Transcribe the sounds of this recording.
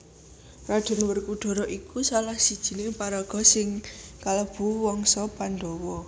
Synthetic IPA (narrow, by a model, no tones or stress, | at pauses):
rad̪̥ɔ̤nwərkuɖ̪̥ɔ̤ɾɔʔikusalahsid̥ʒ̥i̤nepaɾaɡ̥ɔ̤sɪŋkaləb̥ṳwɔŋsɔpand̪ɔwɔ